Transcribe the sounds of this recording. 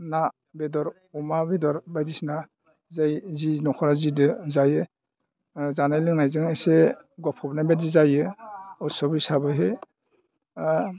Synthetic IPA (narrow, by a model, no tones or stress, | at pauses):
na | bedɔɾ | ɔmabedɔɾbajdisna | zajzinɔkʰɔɾazidɯzajɯ | zanajlɯŋnajzɯŋese | ɡɔpʰɔbnabedizajɯɔsɔbisabɯɦe